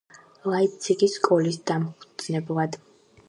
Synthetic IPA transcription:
lˠait̪sʰikʼiskʼɔlisd̪amχʰd̪z̥nɛblˠad̪̥

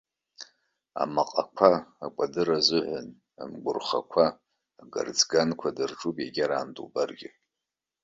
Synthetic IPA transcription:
a̰maqʼakʷʰaːkʷʼadɨɾazɨʕʷʊn | a̰mɡʷʊrχa̰kʷʰaː | ɡa̰rd͡zɡankʷʰadɨrʈ͡ʂʼupʼjaɡʲaɾaːmdṵbarɡʲɪ

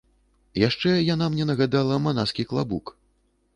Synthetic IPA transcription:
jaʂt͡ʂɛjanamnʲɛnɐɣad̪alˠɐmanaskʲiklˠabuk

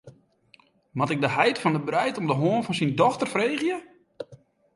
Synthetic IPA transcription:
mɔtɪɡ̚dəɦɛjtfɔndəbrɛjtɔmdəɦoənfɔnsindɔxtərfrejɣjə

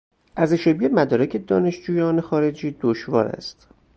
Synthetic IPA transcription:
ʔæɾzeʃebiːemæd̪ɒːɾæcʰe̞d̪ɒːne̞ʃd͡ʒuːjɒːnexɒːɾe̞d͡ʒiːd̪oʃvɒ̰ːɾæ̰st̪

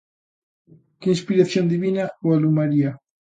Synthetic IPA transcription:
keinspiɾaθjond̪iβinaoalumaɾia

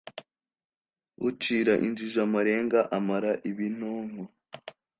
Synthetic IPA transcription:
ut͡ʃiɾaʔḭnd͡ʒiʒamaɾe̞ːŋɡaʔamaɾaʔiβin̥oːŋwa

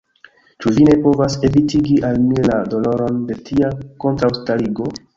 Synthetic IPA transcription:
t͡ʃuvine̞po̞vase̞vitiɡiʔalmilado̞lo̞ɾo̞nde̞tʰiako̞ntɾawstaliɡo̞

